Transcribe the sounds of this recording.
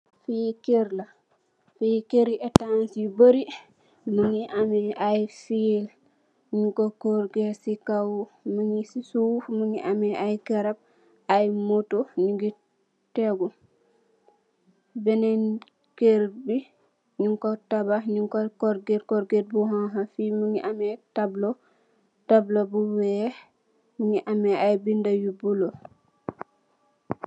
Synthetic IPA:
fijikeɾla | fijikeɾiʔɛtansibəɾi | muŋiʔamiʔajfil | ɲiŋkokɔɾɡesikawməŋisisufməŋiʔamiʔajkɛɾab̚ | ajmotoɲiɡi | tɛɡu | bɛnɛn | keɾbi | ɲiŋkɔtabaɲiŋkɔkɔɾɡeɾkɔɾɡet̚buɦãɦafimuɲiʔamɛtablo | tablobuwɛ | muɲiʔamɛajbindajubulo

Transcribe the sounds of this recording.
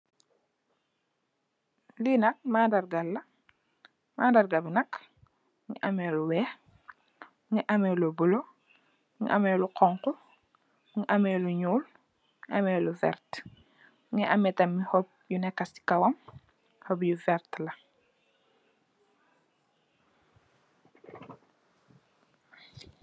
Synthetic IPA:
linɐk̚maːdɐrɡɐlːɐ | maːdɐrɡɐbinɐk | ŋiʔɐmɛːluwɛː | ŋɛʔɐmɛlobulo | ŋ̰ʔɐmɛːluqɔŋku | ŋiʔɐmɛluɲuːl | ʔɐmɛːluvɛ̰rt | ŋɛʔɐmɛtɐmːihɔp̚junɛkːɐsi̥kɐwɐm | hɔbjuvɛrtlɐ

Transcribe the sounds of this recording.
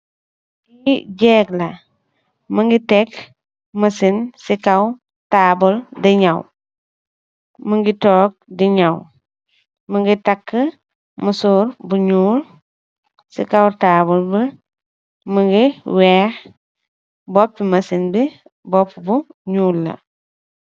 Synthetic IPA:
ɡiɟɛːklɐ | məŋɡitɛk | mɐsinsikɐw | taːbuldiɲɐw | məŋɡitɔːk̚diɲɐw | məŋɡitɐkːə | məsuɾbuɲuːl | sḭkɐwtaːbulbə | məŋɡiwɛːx | bɔpːimɐsinbi | bɔpːbuɲuːlːɐ̰

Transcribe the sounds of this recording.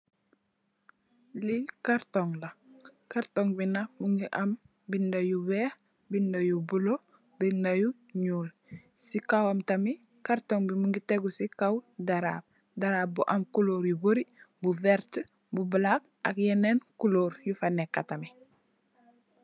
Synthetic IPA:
likaɾtoŋlakaɾtoŋbinamuŋɡiʔam | bindajuweːh | bindajubulo | bindaju | ɲuːl | sikawamtami | kaɾtoŋbimuŋɡiteɡusikawdaɾa̰b̚ | daɾaːb̚buʔamkuloːɾjuboɾibuveɾt | bubəlak̚ | a̰kjenenkuloːɾjufanekːatami

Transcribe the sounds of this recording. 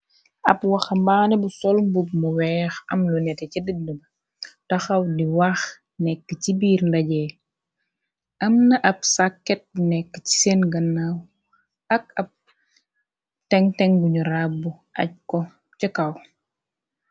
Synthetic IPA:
ɐpwɐxɐmbaːnɛbusɔlmbubmuwɛːxɐ̰mlunɛtɛcidədnəbɐ | tɐxɐwdiwax | nɛkːəcibiːɾndɐɟɛ | ʔɐmnɐʔɐpsakːɛt̚bnɛkːə̥ci̥senɡɐnːaw | ɐkɐp̚ | tɛŋtɛŋbuɲuɾabːu | ʔɐ̰c̚kɔ | cəkɐw

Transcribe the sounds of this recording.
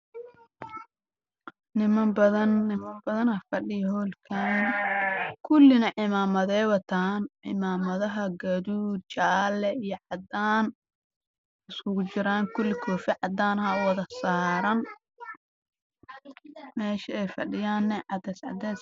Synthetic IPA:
nɪmɐmbɐðɐnːɪmɐmbɐðɐnɐfɐɖɪjɐhɔːlkʰan | kʰʊlːɪnɐʕɪmaːmɐðɛːwɐt̪ʰaːnʕɪ̰maːmɐðɐɦɐɡɐðuːdt͡ʃaːlɛijɞʕɑd̪aːn | ɪskʊɣʊt͡ʃɪɾaːŋkʰʊlːɪkʰɔːfɪʕɑd̪aːnhɐwɐðɐsaːɾɐn | mɛːʃɪɛjfɐɖɪjaːnːɛʕɑd̪ɛsʕɑ̰d̪ɛːs

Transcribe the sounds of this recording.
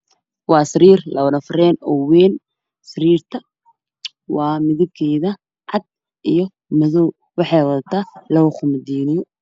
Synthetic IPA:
wɑːsɐɾiːrlɐʊnɐfɾɛːnɔwɛːn | sɐɾiːrt̪ʰɐ | wɑːmɪðɪb̚kʰɛːjðɐ | ʕɑd̪̥̚ | ʔijɔ | mɐðɔː | wɑħɑjwɐðɐt̪ʰaːlɐwʊqʊmɐd̪iːnɪjɔ

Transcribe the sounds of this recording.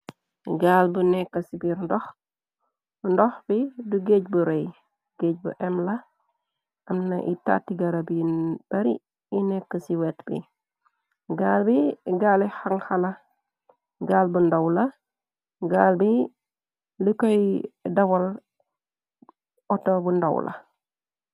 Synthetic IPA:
ɡaːlbunɛkːɐsibiɾndɔx | bndɔxb̥iduɡec̚buɾɛj | ɡ̥eːc̚bṵʔɛmlɐ | ɐmnɐʔḭta̰tːiɡɐɾɐbib̥ɐɾḭː | nɛkːɐsiwɛtbḭ | ɡaːlbiɡalihaŋxɐlɐ | ɡaːlbundɐwlɐ | ɡaːlbi | likɔjdɐwɐl | ɔtːobundɐ̰wlʔɐ̰

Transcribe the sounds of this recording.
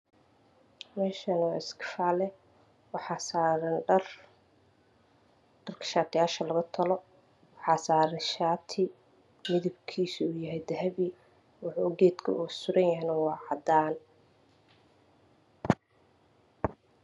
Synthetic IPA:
mɛːʃɐnwɪskʰɪ̥faːlɛ | wɑħɑːsaɾɐnr | ɖ̥ɐrkʰɐ̥ʃaːt̪ʰɪjaːʃɐlɐɣɐt̪ʰɐlɔ | wɑħɑːsaːɾɐʃaːt̪ʰɪ | mɪðɪbkʰiːsɪuːjɐɦɛjd̪ɐɦɐβi | wʊħuːɡɛːd̪kʰɐ̰ʔuːsʊɾɐnjɐɦɛnɐwɑːʕɑd̪aːn

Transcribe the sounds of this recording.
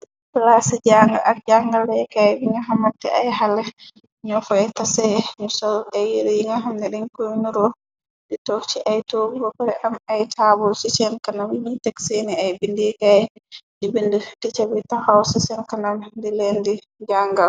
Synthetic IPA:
plasid͡ʒaŋɡa̰ʔaɾd͡ʒaŋɡalːɛjkajbiŋaɦamːatːɛʔajɦalɛ | ɲɔfɔɛtasɛmusɔlɛjiɾijiŋaɦamdɛɗɛnkojnuɾɔ | ditɔt͡ʃiʔajtoɡubɔkaɾɛʔamajtʰabɔlsisɛnkanamiɲitɛksɛniajbindɛkajdibindutit͡ʃabitahawsisɛnkanandɛlendi | d͡ʒaŋɡal

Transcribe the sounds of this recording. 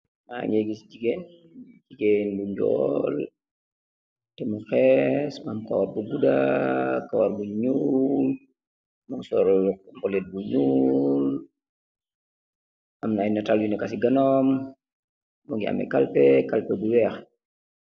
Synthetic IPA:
ma̰ɲeɡisd͡ʒiɡen | d͡ʒiɡenbuɲd͡ʒɔ̰l | tɛmaxɛsmamka̰warbuɡuda̰kawaɾbuɲul | maŋsɔɾk̚mbɔlɛt̚buɲul | ʔamnajnatalwinɔkas̬iɡanɔm | mɔŋɡiʔa̰mɛ̰kalpɛkalpɛbuwɛx

